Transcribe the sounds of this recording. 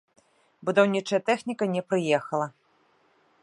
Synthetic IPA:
bud̪awnʲit͡ʂɐjɐt̪ɛxnʲikɐnʲɛpɾɨjɛxɐlˠɐ

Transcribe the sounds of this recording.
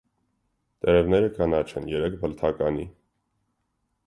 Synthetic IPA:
t̪ɛɾɛvnɛɾəkʰɑnɑt͡ʃʰɛnjɛɾɛk̚ʰbəlt̪ʰɑkɑni

